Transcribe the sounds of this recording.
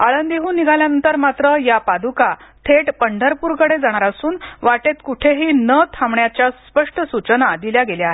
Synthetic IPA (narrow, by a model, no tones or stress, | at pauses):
aɭənd̪iɦuːnːiɡʱaljanənt̪əɾmat̪ɾəjapad̪ukat̪ʰeʈpəɳɖʱəɾpuːɾkəɽed͡zaɽ̃aɾasuːnʋaʈet̪kuʈʰeɦiːnət̪ʰamɳjat͡ɕjaspəʂʈəsut͡sənad̪iljaɡeljaɦe